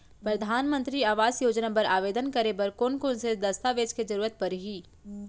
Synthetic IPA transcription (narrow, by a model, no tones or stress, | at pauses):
pɾɐd̪ʱaːnmə̃nt̪ɾiaːʋaːzjoːd͡ʒnapɐɾaːʋeːd̪ənkɐɾebɐɾkoːnkoːnsed̪ɐst̪aʋeːd͡ʒked͡ʒɐɾuːɾət̪̚pɐɾɦiː